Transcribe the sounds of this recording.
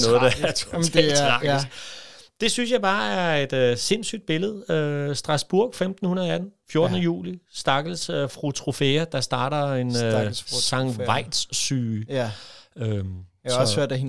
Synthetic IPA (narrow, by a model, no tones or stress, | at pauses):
nɔ̽ːð̩ˠd̥ɑæɐt͡sʰdɛllsdɑ̈ɡ̥l̩sd̥e̝synsjɑ̈ɪb̥ɑ̈ːæɐe̝d̥øse̝n̰sy̰ːd̥̚b̥e̝ləð̞̩ˠøsd̥ʁɑ̈sb̥uɐɡ̥femd̥n̩hunɐðˠæd̥n̩fjo̝ɐd̥ənəjṵːlisd̥ɑ̈ɡ̥l̩sfʁut͡sʰʁofeɐd̥ɑ̈sd̥ɑ̈ːɾɐe̝nsɑ̈ŋʋɑ̈ɪ̰d̥ssy̰ː | øm | søɐ̰d̥æ